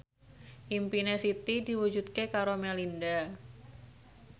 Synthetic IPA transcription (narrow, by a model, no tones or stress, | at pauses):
ʔimpinesit̪idi̤wud͡ʒut̪̚kekaɾomelinda